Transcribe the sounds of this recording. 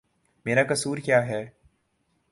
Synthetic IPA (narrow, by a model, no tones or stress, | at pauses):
meːɾakɐsuːɾkjaːɦɛː